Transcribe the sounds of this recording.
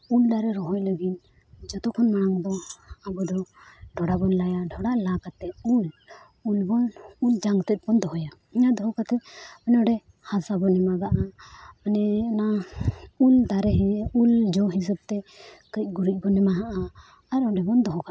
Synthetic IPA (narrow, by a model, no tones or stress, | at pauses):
uld̪aɾɛɾɔɦɔjləɡit̪̚ | d͡ʒɔt̪ɔkʰɔnmanaŋd̪ɔabɔd̪ɔɖʱɔɽabɔnlajaɖʱɔɽalakat̪ɛul | ulbɔnuld͡ʒaŋɡt̪ɛt̪̚bɔnd̪ɔɦɔja | iɲad̪ɔɦɔkat̪ɛanɛɔɖɛ | hasabɔnɛmaɡaʔamanɛɔna | uld̪aɾɛɦɛuld͡ʒɔɦis̬əb̚t̪ɛkəc̚ˀɡuɾic̚ˀbɔnɛmaɦaʔaː | ɾɔɖɛbɔnd̪ɔɦɔka